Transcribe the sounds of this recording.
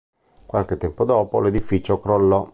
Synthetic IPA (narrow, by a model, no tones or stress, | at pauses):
kwalk̟et̪ːɛmpod̪ɔːpoled̪ifit͡ʃokɾolːɔ